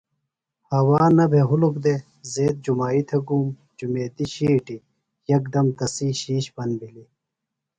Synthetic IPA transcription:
hɐwaːnɐbʱeɦulukd̪e | zeːt̪̚d͡ʑumaːit̪ʰɐɡum | d͡ʑumeːt̪iɕiːʈi | jɐkd̪ɐmt̪ɐsiːɕiːɕbɐnbili

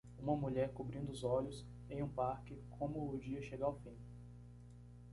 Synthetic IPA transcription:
ũmɐmuʎɛɾkubɾĩnd̪ʊzɔʎʊs | ẽj̃ũpaɾkɪkʰõmʊʊd͡ʒiɐʃeɡaawfĩ

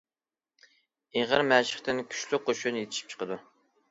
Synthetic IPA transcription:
eʁəɾmæʃɪ̥χt̪ɪnkʲʰy̥ʃlyqʰːoʃunjet̪ʰɪ̥ʃi̥p̚t͡ʃʰə̥qəd̪u

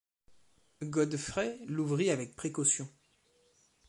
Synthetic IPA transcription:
ɡɔd̪fχɛluvʁiavɛk̚pχekɔsjɔ̃

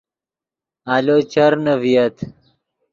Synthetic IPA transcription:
alot͡ɕɐɾnɐvijɐt̪

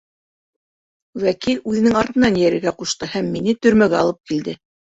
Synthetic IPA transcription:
wækilʉðɘ̆nɘŋɑɾt̪ɤ̆nɑnjæɾɘ̆ɾɡæquʃt̪ɤhæmːinɘt̪ɵ̆ɾmæɡæɑlˠɤp̚kild̪ɘ

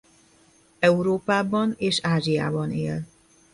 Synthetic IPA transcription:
ɛuɾoːpaːbɒneːʃaːʒija̰ːbɒnḛːl

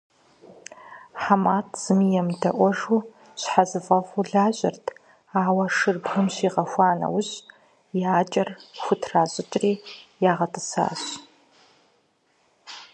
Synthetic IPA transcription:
ħamaːtʰz̥ɨmijɛmdɐʔʷɔʐuː | ɕħazɨfɐʁʷuɮaːʑʼɪrtʰ | aːwɐʂɨrbxɨmɕiːʁɐxʷɑːnɐ̰wʊɕ | jaːt͡ʃʼɐrxʷʊtʰraːɕʼɪt͡ʃʼriːjaːʁɐtʼɨ̥sa̰ːɕ

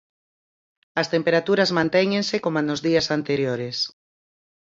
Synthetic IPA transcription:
ɐst̪empeɾat̪uɾɐzmãnt̪ɛɲẽnsɪkomanozðiɐsant̪eɾjoɾes

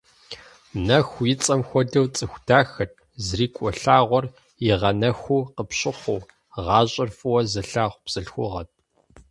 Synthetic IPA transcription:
nɐxʷjɪt͡sʼɐmxʷɔdɐwt͡sʼɨxʷd̥aːxɐt̚ʰʼ | zriːkʷʼɔɬaːʁʷɔr | jɪʁɐnɐxʷuːqəpɕʼɪχʷʊː | ʁɑːɕʼɐrfʼɨwɐzɐɬaːʁʷpz̥ɨɬxʷʊʁɐt̚ʼ

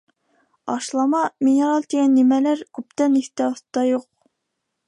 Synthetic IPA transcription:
ɑʃlˠɑmɑminɨɾɑlˠt̪iɡʲɛnːimɛlæɾkʰʲyp̚t̪ɛnist̪ɛoθt̪ːɑjoq̚

